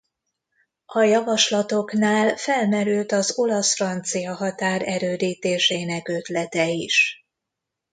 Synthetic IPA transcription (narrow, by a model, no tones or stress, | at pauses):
ɒjɒvɒʃlɒt̪o̞knaːlfɛlmɛɾylt̪ɒzo̞lɒsfrɒnt̪sijɒɦɒt̪aːɾɛɾøːd̪iːt̪eːʃeːnɛkø̞t̪lɛt̪ɛiʃ